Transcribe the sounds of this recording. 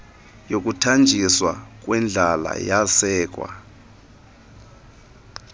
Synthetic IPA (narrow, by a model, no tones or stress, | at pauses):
jok̬ʼutʰand͡ʒʱiswak̬ʼwɛnd͡ɮʱala̰jasɛːk̬ʼwa̰